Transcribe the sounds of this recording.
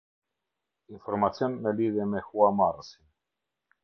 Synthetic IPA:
iɱfoɾmat̪t͡sjonmeliðemexuamaɾsi

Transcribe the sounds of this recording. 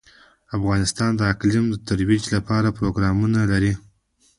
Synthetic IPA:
afɣɑnɪst̪ɑnd̪əaklimd̪ət̪aɾwid͡ʒlapɑɾapɾoɡɾɑmunalaɾi

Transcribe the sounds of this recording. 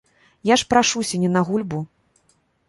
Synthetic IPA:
jaʂpɾaʂusʲɐnʲɛnɐɣulʲbu

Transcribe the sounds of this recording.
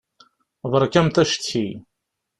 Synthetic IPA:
ðˤəɾˤkæmθæʃt̪ʰːi

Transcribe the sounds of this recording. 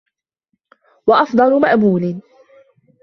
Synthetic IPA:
wɑʔɑfd̪ˤɑlʊmaʔbuːlɪ

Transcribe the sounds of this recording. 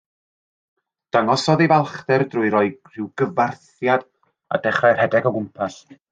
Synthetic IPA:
d̥aŋɔsɔðivalˠχtɛrdrʊːɨɾɔɨr̥ɪwɡ̥əvarθ | jad | a̰dɛχrajr̥hɛdɛɡɔɡʊmpʰas

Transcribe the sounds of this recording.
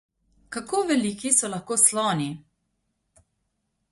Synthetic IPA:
kakoːʋɛlikisɔlaxkoːslɔːni

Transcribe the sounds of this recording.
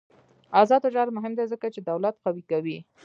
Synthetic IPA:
azɑd̪od͡ʒɑɾmʊɦɪmd̪ezəkat͡ʃed̪awlat̪qawikawi

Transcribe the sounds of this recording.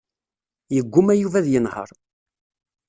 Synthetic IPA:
jəɡʷːʊmæjuvæðjənhə̰ɾˤ

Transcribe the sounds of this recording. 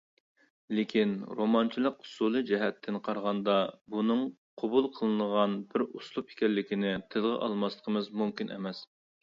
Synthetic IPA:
lɪkʲʰinɾomɑnt͡ʃʰilˠəqu̥sulˠɨd͡ʒɛɦɛt̪ʰːɪnqʰɑɾʁɑnd̪ɑbunɨŋqʰobulˠqʰəlˠɨnəʁɑnbɪɾuslˠupʰɪ̥kʲɛlːɪkʲinɪt̪ʰɪlˠʁɛ̰ʔɑ̰lˠmɑslˠə̥qʰəmɨzmumkʲinɛ̰mɛs

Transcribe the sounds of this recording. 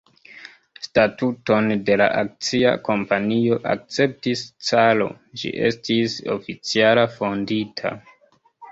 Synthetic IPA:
statuto̞nde̞la̰ʔak̚t͡sia̰ko̞mpanio̞ʔa̰k̚t͡se̞p̚tist͡salo̞̰ | d͡ʒḭʔe̞̰stiso̞̰fit͡sialafo̞nditʰa̰

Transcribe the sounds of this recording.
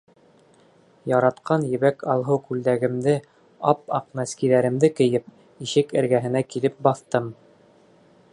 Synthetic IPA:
jɑɾɑt̪qɑnjɘ̆βækʰɑlˠɦɤwkʉld̪æɡɘ̆md̪ɘ | ɑp̚ɑqmæskiðæɾɘ̆md̪ɘkɘ̆jɘp̚ | iʃɘkɘ̰̆ɾɡæɦɘ̆nækilɘp̚bɑθt̪ɤm

